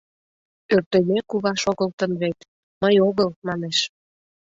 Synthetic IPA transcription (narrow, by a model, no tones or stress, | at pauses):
ørt̪emekuβɑʃoɣə̆lt̪ənβet̪ | məjoɣəlmɑneʃ